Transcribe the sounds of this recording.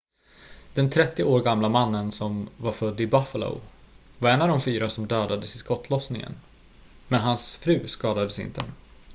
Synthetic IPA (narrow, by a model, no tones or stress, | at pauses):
d̪̥ɛnt̪ʰɾɛt̪ːɪoːɾɡamlamanːənsɔmvaɾfœd̪ːɪbafəlo̰ʊvaɾɛnːavd̪ɔmfyːɾasɔmd̪øːd̪ad̪əsɪskɔt̪ːlɔsnɪŋə̰n | mɛnɦansfɾʉ̟ːskɑːd̪ad̪əsɪ̰nt̪ə